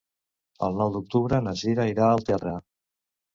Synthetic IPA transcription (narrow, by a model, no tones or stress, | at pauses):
ə̰lˠnɔwd̪uk̚t̪uβɾənəziɾaiɾaːlˠt̪ɛra